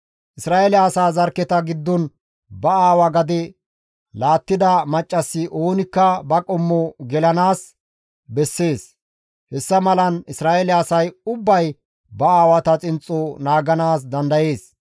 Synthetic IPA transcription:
ʔɪsɾaːʔɛlɪːsaːzɐɾkːɛt̪ɐɡɪd̪ːɔn | bɐaːwɐɡɐd̪ɛ | laːt̪ːɪd̪ɐmɐt͡ʃʼːɐsːɪʔo̞ːnɪkːɐbɐkʼɔmːɔɡɛlɐnaːs | bɛsːe̞ːs | hɛsːɐmɐlɐnɪsɾaːʔɛlɪasɐjʊbːɐj | bɐaːwɐt̪ɐt͡sʼɪnt͡sʼːɔnaːɡɐnaːs̬d̪ɐnd̪ɐje̞ːs

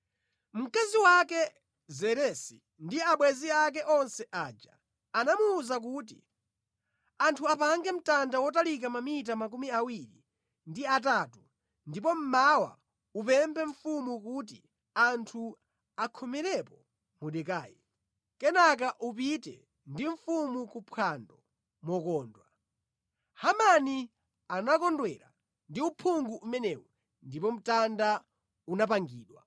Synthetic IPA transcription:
m̩kaziwakɛ | zɛɾɛsi | ndiaɓwɛziak̬ɛʔɔnsɛʔaːd͡ʒaː | namuːzak̬ut̬ḭ | antʰuapaŋɡɛm̩tandawɔtalik̬amamit̬amak̬umiawiɾḭ | ndiat̬atu | ndip̬ɔm̩mawa̰ | upɛmbʰɛɱ̩fumukut̬ḭ | antʰu | akʰɔmɛɾɛpɔ | muɗɛkaːji | kɛnak̬aʔup̬itɛ̰ | ndiɱ̩fumukupʰwandɔ | mɔkɔːndwa | hamani | anakɔndwɛɾa̰ | ndiupʰuŋɡuːmɛnɛwɔ | ndipɔm̩tanda | unapaŋɡiːɗwa̰

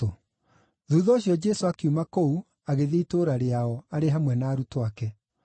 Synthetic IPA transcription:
o | ðuːðɔːɕjɔd͡ʒɛsoakiumakou | aɣeðeitoːɾaɾeaɔaɾeɦamwɛnaːɾutoakɛ

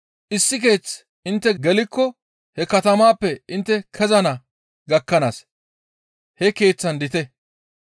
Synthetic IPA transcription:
ʔɪsːɪk̬e̞ːt͡s | ɪnt̪ːɛɡɛlɪkːɔ | hɛkɐt̪ɐmaːpːɛɪnt̪ːɛkʰɛzɐnɐ | ɡɐkːɐnaːs | hɛke̞ːt͡sːɐnd̪ɪt̪ɛ

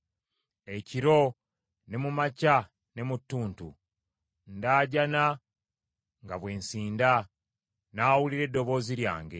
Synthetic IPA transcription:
e̞ciɾo̞ | ne̞mumaca | ne̞mutːuːntṵ | ndaːɟana | ŋɡaβwe̞ːnsiːnda | naːwuliɾe̞dːo̞βo̞ːziɾja̰ːŋɡe̞

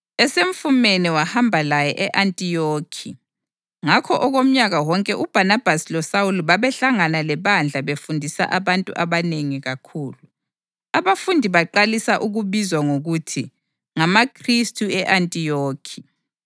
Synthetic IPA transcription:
ɛseɱ̩fumeniwahambʱalajɛʔɛʔantʼijoːkʰi | ŋakʰɔʔɔɣom̩ɲaɣawɔŋkʼɛʔub̥ʱanab̥ʱasilɔsawuluβaβɛɬaŋanalɛβand͡ɮʱaβefundʱisa̰ʔaβantʼṵʔaβaneŋiɣakʰuːlu | aβafundʱiβaǃalisaʔuɣuβizwaŋoɣutʰi | ŋamakʰristʰʼuɛʔantʼijoːkʰi̥

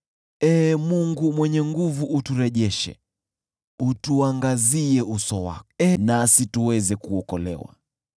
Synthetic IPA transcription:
ɛmuŋɡumwɛɲɛŋɡuvuʔːtuɾɛʄɛʃɛ̰ | utuaŋɡaziɛusɔwa̰ɛnasituwɛzɛkuɔkɔlɛ̰wa̰

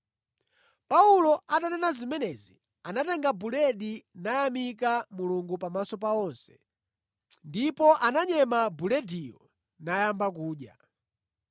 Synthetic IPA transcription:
paulɔatanɛnazimɛnɛzi | anatɛŋɡabulɛɗinajamikamuluŋɡupamasɔpaɔnsɛ̥ | ndipɔʔanaɲɛmabulɛdiɔ̰ | najambak̬uːɗja̰

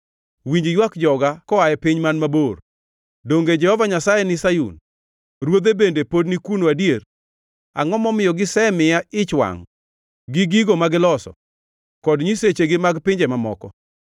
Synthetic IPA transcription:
wiɲd͡ʒjwakd͡ʒɔɡakɔajɛpɪɲmanmabor | doŋɡed͡ʒɛhɔvaɲasajɛnɪsajṵn | ɾwod̪ebendepodnikunoadjer | a̰ŋɔmɔmɪjɔɡɪsɛmɪjaɪt͡ʃwa̰ŋ | ɡɪɡiɡomaɡɪlɔsɔ̰ | kɔdɲiset͡ʃeɡɪmaɡpɪɲd͡ʒɛmamɔ̰kɔ

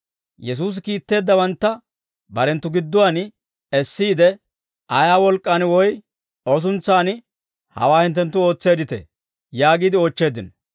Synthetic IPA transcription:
jɛs̬uːs̬ɪkiːt̪ːe̞ːd̪ːɐbɐnt̪ːɐ | bɐɾɛnt̪ːʊɡɪd̪ːʊwaːn | ɛsːiːd̪ɛ | ʔɐjaːwɔlkʼːanwɔj | ɔs̬ʊnt͡sːaːn | hɐ̰waːhɪnt̪ːɛnt̪ːʊo̞ːt͡sːe̞ːd̪ɪt̪ɛ̰ | jaːɡiːd̪ɪo̞ːt͡ʃːe̞ːd̪ɪn

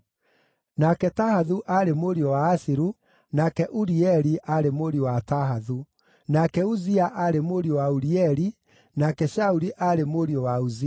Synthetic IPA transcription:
nakɛtahaðuʔaɾemoɾiɔwaːsiɾu | nakɛʔuɾiɛɾiʔaɾemoɾiɔwataɦaðu | nakɛuziaʔaɾemoɾiɔwauɾiɛɾi | nakɛʃauɾiʔaɾemoɾiɔwauzi

